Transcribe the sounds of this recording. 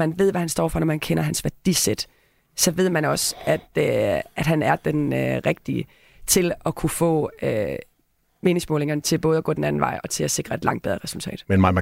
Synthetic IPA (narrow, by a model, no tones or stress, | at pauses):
ænʋe̝ð̞̰ˠʋæhænsd̥ɒ̰ːfɒ̽nɒmænkʰen̰ɐɦænsʋæɐd̥ised̥ | sɒ̽ʋe̝ð̰ˠmænɒ̽sæd̥øæd̥ɦænæɐd̥enøʁɛɡ̥̚d̥iə | t͡sʰe̝lɒ̽kʰufɔ̰̽ːø | me̝ːne̝ŋsmɔːle̝ŋɐnət͡sʰe̝lb̥ɔ̽ːð̞̩ˠɐɡ̥ɔ̰ːd̥enæn̩ʋɑ̈ɪɒ̽t͡sʰe̝læse̝ɡ̥ʁɐe̝d̥lɑ̈ŋ̰d̥̚eð̞ˠɐʁɛsul̩t͡sʰɛ̰ːd̥menmɑɪmæ